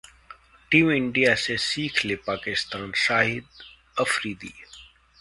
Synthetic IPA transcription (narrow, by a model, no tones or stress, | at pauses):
ʈiːmɪɳɖijasesiːkʰlepaːkɪst̪aːnʃaːɦɪd̪̚ | əfɾiːd̪ḭː